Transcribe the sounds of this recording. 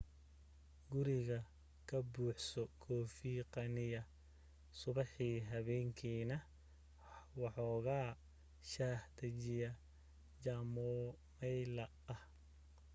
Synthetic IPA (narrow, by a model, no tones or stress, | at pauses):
ɡʊɾɪɣɐ | kʰɐbuːħsɔkʰɔːfiːqɑnɪjɐ | sʊβɑħiːɦɐβɛːŋkʰiːnɐ | wɑħɔːɣaː | ʃaːht̪ɐt͡ʃɪjɐ | t͡ʃɐːmɔ | mɛjlɐ | ɐh